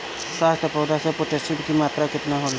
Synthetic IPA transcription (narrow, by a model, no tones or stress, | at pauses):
saːst̪ʰəpoːd̪ʱasepoʈesɪʈkimaːt̪ɾakɪt̪naɦoːl